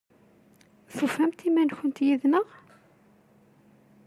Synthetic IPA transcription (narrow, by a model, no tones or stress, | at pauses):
θufæmt̪imænçənt̪jiðnəʁ